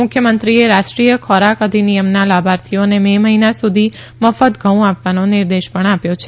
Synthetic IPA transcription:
mʊkʰjəmənt̪ɾieɾaʃʈɾijəkʰɔɾakəd̪ʱinijəmnalabʱaɾt̪ʰijonememəɦinasud̪ʱi | məfət̪ɡʱəũapʋanonɪɾd̪eʃpəɳapjot͡ʃʰe

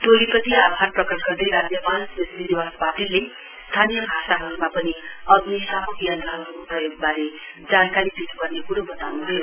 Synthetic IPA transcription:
ʈolipʌt̪iapʰarprʌkʌsɡʌrd̪ʌjɾad͡zjʌpansbesnid̪iwaspaʈile | st̪ʰanijʌbʱasaɦʌɾumapʌniʌɡnisamukijʌnt̪aɦʌɾuprʌjoɡ̚baɾe | d͡zankaɾid̪it̪ʰu̥pʌrnekuɾobʌt̪awnuɦʌjo

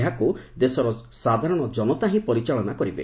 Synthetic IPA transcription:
ɦakud̪esɔɾɔ | sad̪ʱaɾɔɽ̃ɔd͡ʒɔnɔt̪aɦĩpɔɾit͡ʃaɭɔnakɔɾibḛ

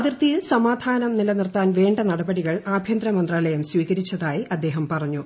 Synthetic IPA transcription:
ɐðirt̪ijilsɐmaːd̪ʱaːnɐmnilɐnirt̪aːnʋeːɳɖɐnɐɽɐbɐɽiɣɐɭaːbʱjɐnd̪ɾɐmɐnd̪raːlɐjɐmsʋiːɣɐɾit͡ɕːɐðaːjiʔɐd̪ːe̞ːɦɐmpɐrɐɲːu

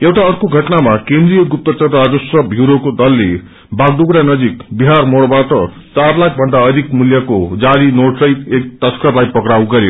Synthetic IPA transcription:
ewʈaʌrkoɡʱʌʈnamakend̪rijʌɡup̚t̪ʌt͡sʌt̪ad͡zosʌbʱjiɾokod̪ʌlːe | baɡ̚d̪uɡɾanʌd͡zikbiɦarmoɽbaʈʌ | t͡sarlak̚ʰbʱʌnd̪aʌd̪ʱikmuljʌkod͡zaɾinoʈsʌjek̚t̪ʌskʌrlajpʌkɾaw̃ɡʌɾjo

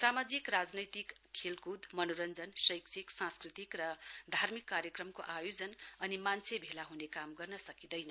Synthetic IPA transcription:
samad͡zikrad͡znʌjt̪ikʰːelkud̪mʌnoɾʌnd͡zʌnsʌjksʰiksãskrit̪ikrʌd̪ʱarmikːaɾjʌkrʌmkoʔajod͡zʌnʌnimant͡sʰebʱelaɦunekamɡʌrnʌsʌkid̪ʌjnʌ

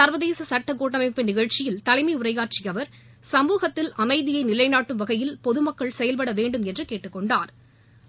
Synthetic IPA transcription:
sɐɾʋɐðeːsɐsɐʈːɐkːoːʈːɐmɐɪpːɯnɪɣɐɻt͡ʃɪjɪlt̪ɐlɐɪmɐɪʊrɐɪɣaːʈt͡ʃɪjɐʋɐɾ | sɐmuːɣɐt̪ːɪlɐmɐɪðɪjɐɪnɪlɐɪnaːʈːɯmʋɐɣɐjɪlpɔðɯmɐkːɐɭsɛjɐlp̬ɐɽɐʋeːɳɖɯmɛndrɯkeːʈːɯkːɔɳɖaːɾ

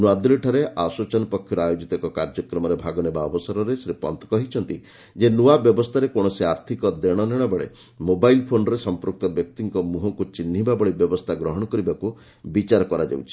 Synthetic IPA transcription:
nwad̪leʈʰɔɾeʔasɔt͡ʃɔnɔpɔkʰːjɔɾɔajod͡ʒit̪ɔkɔkaɾd͡ʒɔkɾɔmɔɾebʱaɡɔnebaɔbɔsɔɾɔɾesɾepɔ̰nt̪ɔ̥kɔɦit͡ʃʰɔnt̪i | d͡ʒenuabjɔbɔst̪ʰaɾekoɽ̃ɔsiaɾt̪ʰikɔd̪eɽ̃ɔneɽ̃ɔbɔɭḛ | mobajlpʰonɔɾesɔmpɾuk̚t̪ɔbjɔk̚t̪iŋkɔmuɦɔŋkut͡ʃinːɦibabɔɭebjɔbɔst̪ʰaɡɾɔɦɔɽ̃ɔkɔɾibaku | bit͡ʃaɾɔkɔɾad͡ʒa̰wt͡ʃʰi̥

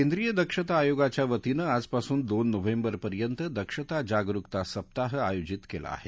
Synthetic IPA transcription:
kẽnd̪ɾijəd̪əkʂət̪aːjoɡat͡ɕjaʋət̪inəad͡zpasuːnd̪onːəʋembəɾpəɾjənt̪əd̪əkʂət̪ad͡ʑaɡɾukt̪asəp̚t̪aɦəa̰jod͡ʑit̪kela̰ːɦe

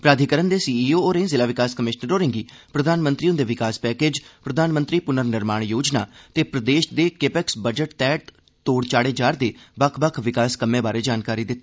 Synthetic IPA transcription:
pɾaːd̪ʱikəɾənd̪eːsiːiːoːoːɾẽzɪlaːʋɪkaːskəmɪʃnəɾoːɾɪ̃ŋɡiːpɾəd̪ʱaːnmənt̪ɾiõːd̪eːʋɪkaːspɛːkeːd͡ʒpɾəd̪ʱaːnmə̃nt̪ɾiːpʊnəɾnɪɾmaːɳ̃joːd͡ʒna̰ːt̪eːpɾəd̪eːʃd̪eːkepɛksbəd͡ʒəʈt̪ɛːʈ | t̪oːɽt͡ʃaːɽeːd͡ʒaːɾd̪eːbəkʰbəkʰʋɪkaːskəmːẽːbaːɾeːd͡ʒaːnkaːɾiːd̪ɪt̪ː

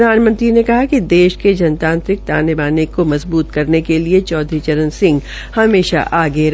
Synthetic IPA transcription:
d̪ʱaːnmə̃nt̪ɾinekɐɦakid̪eːʃked͡ʒɐnt̪ãːnt̪ɾɪk̚t̪aːnebaːnikomɐzbuːt̪kɐɾnekeliet͡ʃɔːd̪ʱɾit͡ʃɐɾə̃nsɪ̃ŋɡ | hɐmeːʃa̰ʔaːɡeɾ

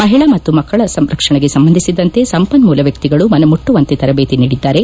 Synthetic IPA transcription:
mɐɦiɭɐmɐt̪ːumɐkːɐɭɐsɐmɾɐkʂɐɳeɡe̞sɐmbɐnd̪ʱisid̪ɐnt̪e̞sɐmpɐnmuːlɐʋjɐk̚t̪iɡɐɭumɐnɐmuʈːuʋɐnt̪et̪ɐɾɐbeːt̪iniːɽid̪ːaːɾe̞

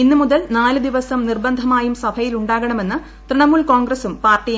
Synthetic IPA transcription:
inːɨmuðɐlnaːlɨd̪iʋɐsɐmnirbɐnd̪ʱɐmaːjumsɐbʱɐjiluɳɖaːɣɐɳɐme̞nːɨ | t̪rɨɳɐmuɭkoːŋɡɾɐsumpaːrʈːij

